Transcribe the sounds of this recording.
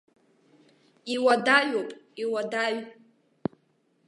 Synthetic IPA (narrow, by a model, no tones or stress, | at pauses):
iwadaɥopʼiwadaɥ